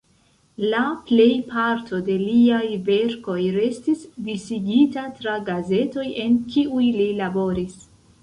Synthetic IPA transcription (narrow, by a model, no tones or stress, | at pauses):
laple̞jpʰaɾtʰo̞de̞liajve̞ɾko̞jɾe̞stisdisiɡitatɾaɡaze̞to̞je̞nkiujlilabo̞ɾis